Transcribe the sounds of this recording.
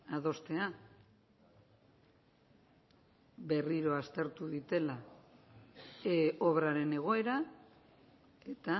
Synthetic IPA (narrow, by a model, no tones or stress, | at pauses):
að̞o̞st̪e̞a | be̞riɾo̞ast̪e̞ɾt̪uðit̪e̞la | oβɾaɾe̞ne̞ɣ̞o̞e̞ɾa | e̞t̪a